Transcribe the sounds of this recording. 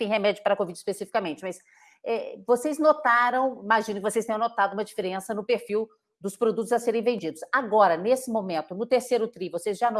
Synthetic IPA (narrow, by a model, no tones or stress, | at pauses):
t̪ẽj̃ɦemɛd͡ʒʊpaɾɐkovid͡ʒɪspesifi̥kamẽnt͡ʃɪmɐs | ɛvosejznot̪aɾɐ̃w̃imaʒinʊkɪvosejst̪ẽɲ̃w̃not̪aʊɡumɐd͡ʒifeɾẽsɐnʊpeɾfiw | d̪ʊspɾod̪ut̪ʊzaseɾẽj̃vẽd͡ʒid̪ʊsaɡɔɾɐnesɪmõmẽnt̪ʊnʊt̪eɾsejɾʊt̪ɾivosezʒano